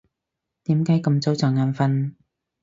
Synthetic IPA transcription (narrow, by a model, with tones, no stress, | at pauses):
t̪iː˨˥mkaː˨˥jkɐ˧mt͡so˨˥wt͡sɔː˨˩ŋaː˨˧nfɐ˧n